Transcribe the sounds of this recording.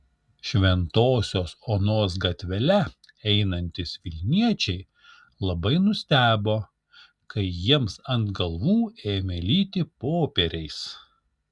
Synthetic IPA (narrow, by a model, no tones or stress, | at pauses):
ʃʲʋʲɛnt̪oːsʲoːsoːnoːs̬ɡɐt̪ʲʋʲɛlʲɛ | ɛɪnɐnʲt̪ʲɪsʋʲɪlʲnʲiɛt͡ʃʲɛɪ | lˠɐbɐɪnʊsʲt̪ʲæːboː | kɐɪjiɛmsɐnt̪ɡɐlˠʋuːeːmʲɛlʲiːt̪ʲɪpoːpʲɛɾʲɛɪs